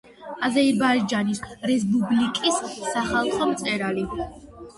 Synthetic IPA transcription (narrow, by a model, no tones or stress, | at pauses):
azɛibaɾid͡ʒanisɾɛs̬bublikʼisːaχalˠχɔmt̪sʼɛɾali